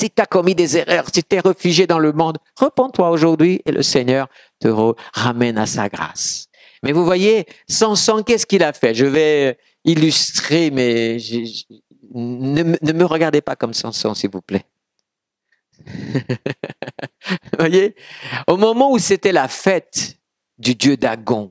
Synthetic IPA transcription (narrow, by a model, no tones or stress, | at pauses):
sit̪akɔmid̪ezeʁœʁsit̪yɛʁəfyʒed̪ɑ̃ləmɔ̃d̪ | ʁəpɑ̃t̪waoʒuʁd̪ɥiʔelʔə̰seɲœʁ | t̪əʁøʁamɛnasa̰ɡʁa̰s | mɛvuvwajesɑ̃sɔ̃kɛsə̥kilafɛʒəvɛ | ilyst̪χemɛʒ | nəmənəməʁəɡaʁd̪epakɔmsɑ̰̃sɔ̰̃silvuplɛ | vwajeomɔmɑ̃uset̪ɛlafɛt̪ | d̪yd̪jød̪aɡɔ̃